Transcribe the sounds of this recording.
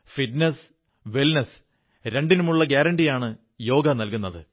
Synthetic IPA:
fiʈnɐs | ʋilnɐs | ɾe̞ɳɖinumuɭːɐɡjaːɾɐɳɖijaːɳɨ | jo̞ːɡɐnɐlkunːɐðɨ

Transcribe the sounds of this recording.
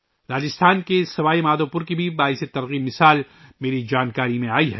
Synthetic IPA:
ɾaːd͡ʒɪst̪ʰaːnkesɐʋaːimaːd̪opʊɾkibʱibaːɦɪset̪ɐɾɣimɪsaːl | meːɾid͡ʒaːnkaːɾimẽaːiɦɛ

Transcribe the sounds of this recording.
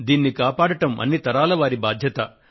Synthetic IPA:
d̪iːnːikaːpaːɽɐʈɐmɐ̰nːit̪ɐɾaːlɐʋaːɾibaːd̪ʱjɐt̪ɐ

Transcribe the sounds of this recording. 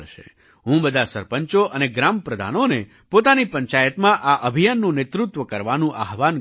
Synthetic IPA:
ʃḛ | ɦũbəd̪ʱasəɾpəɲt͡ʃoʔəneɡɾampɾəd̪ʱa̰none | pot̪anipə̃ɲt͡ʃajət̪mãʔaʔəbʱijənːũnet̪ɾut̪ʋəkəɾʋanũʔa̰ɦʋan

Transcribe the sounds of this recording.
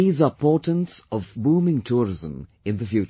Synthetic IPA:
iːzəpʰɔʈə̃ntsɔvbuːmɪ̃ŋtʰuːɹɪzə̃m | ɪ̃nðəfjuːt͡ʃ

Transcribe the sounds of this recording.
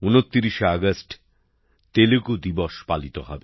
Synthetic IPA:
unot̪ːiɾiʃeaɡəsʈ | t̪elekud̪iboʃpalit̪ohɔbe

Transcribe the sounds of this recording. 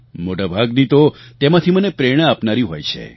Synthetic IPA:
moʈabʱaɡnit̪ot̪emãt̪ʰimənepɾeɽ̃əapnaɾiɦojt͡ʃʰḛ

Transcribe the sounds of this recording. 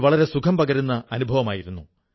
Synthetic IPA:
ʋɐɭɐɾe̞sukʰɐmpɐɡɐɾunːɐɐnubʱɐʋɐmaːjiɾunːu

